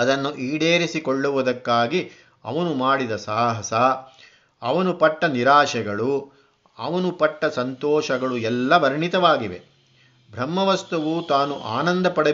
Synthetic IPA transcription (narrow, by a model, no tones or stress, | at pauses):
ɐd̪ɐnːuʔiːɽeːɾisikoɭːuʋud̪ɐkːaːɡi | ɐ̰ʋɐnumaːɽid̪ɐsaːɦɐsɐ | ɐ̰ʋɐnupɐʈːɐniɾaːʃɛɡɐɭu | ɐ̰ʋɐnupɐʈːɐsɐnt̪ɔːʃɐɡɐɭuɛlːɐʋɐɾɐɳit̪ɐʋaːɡiʋḛ | bʱɾɐmːɐʋɐst̪uʋut̪aːnuʔa̰ːnɐnd̪ɐpɐɽe